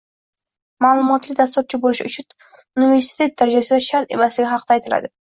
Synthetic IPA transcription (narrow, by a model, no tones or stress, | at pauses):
maːlˠʊmɒt̪lɪk̚ʲd̪ast̪ɒp̚t͡ʃʰɪbolɪʃʊ̰t͡ʃʰʊn | ʊnive̞ɾsɪ̥t̪ʰe̞t̪̚d̪aɾad͡ʒasɪd̪aʃaɾt̪e̞̰maslɪɡʲɪhɑqʰd̪aːjt̪ʰɪla̰d̪ɪ